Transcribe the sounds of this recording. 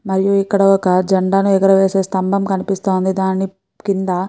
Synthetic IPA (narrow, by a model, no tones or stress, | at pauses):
mɐɾijuikːɐɽɐɔkɐd͡ʒɐɳɖaːnuɛɡɐɾɐʋe̞ːse̞ːst̪ɐmbɐmkɐnipist̪oːnd̪id̪aːni | kind̪ɐ